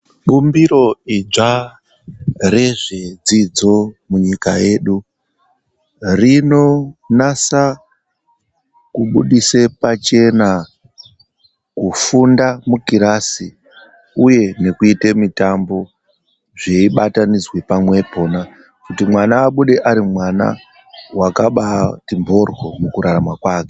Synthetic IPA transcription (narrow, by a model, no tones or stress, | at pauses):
ɓumbiɾo̞id͡ʐa | re̞ʐed͡zid͡zo̞muɲikaje̞ːɗu | rino̞nasa | kuɓuɗisepat͡ʃe̞na | kufundamukiɾasi | uje̞ne̞kuitemitambo̞ | ʐeiɓatanid͡zwepamwe̞po̞na | kutimwanaːɓuɗe̞ʔaɾimwana̰ | wakaɓatimbo̞rwo̞mukuɾaɾamwakwaːke̥